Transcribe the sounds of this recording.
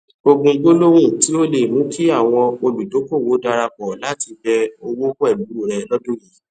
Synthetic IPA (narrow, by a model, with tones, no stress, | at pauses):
o˧ɡũ˧ɡ͡bo˦lo˦ɾ̃ũ˦˨ti˨˦o˦le˨mũ˨˦kʰi˦a˦˨w̃ɔ̃˧o˧bi˨do˨˦ko˦˨wo˨˦da˧ɾa˧k͡pɔ˨la˨˦tʰi˧bɛ˧o˧wo˦ɛ˦˨lu˨˦o˦˨ɾɛ˧lɔ˦dõ˦˨ji˨˦